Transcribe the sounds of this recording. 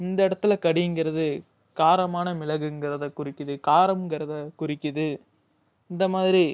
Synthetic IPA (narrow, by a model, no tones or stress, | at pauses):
ɪnd̪ɐɪɽɐt̪ːɪlɐkɐɽɪjɯŋɡɪɾɐðɯ | kaːɾɐmaːnɐmɪlɐɣɯɪŋɡɪɾɐðɐkʊrɪkːɯðɯkaːɾɐmŋɡɪɾɐðɐkʊɾɪkːɯðɯ | ɪnd̪ɐmaːðɪɾi